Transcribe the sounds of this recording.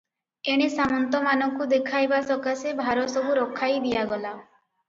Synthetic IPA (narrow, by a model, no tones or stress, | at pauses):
eɽ̃isamɔnt̪ɔmanɔŋkud̪ekʰajbasɔkasebʱaɾɔsɔbʱuɾɔkʰːajd̪ijaɡɔla